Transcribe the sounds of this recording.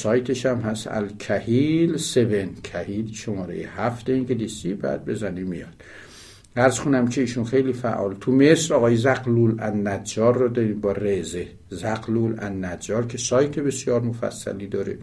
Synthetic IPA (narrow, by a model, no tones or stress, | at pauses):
sɒːjt̪ʰeʃæmhæsæ̰lkʰæhiːlsebencʰæhiːlʃomɒːɾḛjḛhæft̪eiŋɟelisibæ̰ːd̪̚be̞zænimḭjɒd̪̥ | æɾzxonæmcʰeiːʃunxejliːfæ̰ʔɒ̰ːlt̪ʰumesɾɒːɣɒːjezæɡluːlænnæd͡ʒɒːɾːɔd̪ɒɾibɒːreze | zæɡluːlæ̰nːæd͡ʒɒːɾcʰesɒːjt̪ʰebesjɒːɾmofæ̰sːæ̰liːd̪ɒːɾḛ